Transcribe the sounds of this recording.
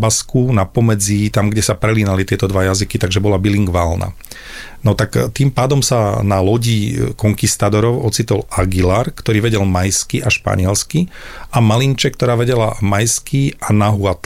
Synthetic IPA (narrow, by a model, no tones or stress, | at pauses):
baskunapɔmɛd͡zit̪amɡɟɛsapɾɛliːnalit̪ɪɛt̪ɔd̪ʋajazikit̪aɡʒɛbɔlabiliŋɡʋalna̰ | nɔt̪akt̪iːmpaːd̪ɔmsanalɔɟikɔŋkist̪ad̪ɔɾɔʊɔt͡sit̪ɔlaɡilaɾkt̪ɔɾiːʋɛɟɛlmajskiʔaʃpa̰ɲɪɛlskiamalint͡ʃɛkːt̪ɔɾaːʋɛɟɛlamajskiʔanaɦuat̪